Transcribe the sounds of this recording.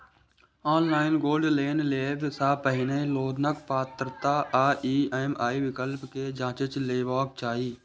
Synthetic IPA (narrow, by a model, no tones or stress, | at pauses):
ɔːnlaːɪnɡoːlɖleːnleːbsapəɦɪnəiloːd̪nəkpaːt̪ɾt̪aːʔaːʔiːemaːiʋɪkəlpked͡ʒãːt͡ʃet͡ʃleːʋaːkt͡ʃaːɦiː